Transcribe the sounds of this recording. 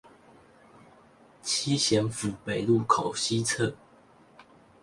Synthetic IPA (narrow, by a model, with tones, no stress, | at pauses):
t͡ɕʰi˥ɕjɛ˧˥nfu˨˩pe˨˩ɪlu˥˩kʰɑ˨˩ʊɕi˦t͡sʰɤ˥˩